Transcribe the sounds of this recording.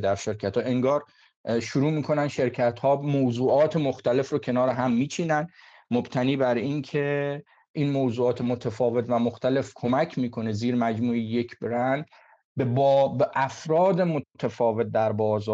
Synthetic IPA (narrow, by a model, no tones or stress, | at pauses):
d̪æɾʃe̞ɾcʰæt̪hɒːʔe̞ŋɡɒːɾ | ʃuɾuːmiːkʰo̞nænʃe̞ɾcʰæt̪hɒːmoːzuːʔɒːt̪ʰe̞moxt̪æle̞fɾocʰe̞nɒːɾeɦæmːiːt͡ʃʰinæn | mobt̪ʰæniːbæɾinkʰe̞ | ʔinmoːwzuːɒːt̪ʰemot̪ʰæfɒːve̞t̪ʰvæmoxt̪æle̞fkʰo̞mæcʰmiːkʰo̞ne̞ziːɾmæd͡ʒmuːije̞kʰbɾænd̪ | bebbeʔæfɾɒːd̪emot̪ʰæfɒːve̞t̪̚d̪æɾbɒːzɒː